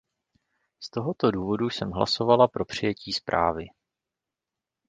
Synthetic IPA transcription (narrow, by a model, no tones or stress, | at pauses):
st̪o̞ɦo̞t̪o̞duːvo̞dusɛmɦla̰so̞valapɾo̞pr̝̥ɪjɛciːspɾʔa̰ːvɪ